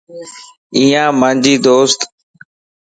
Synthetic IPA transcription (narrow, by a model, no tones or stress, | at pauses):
iːãːmə̃nd͡ʒiːd̪oːst̪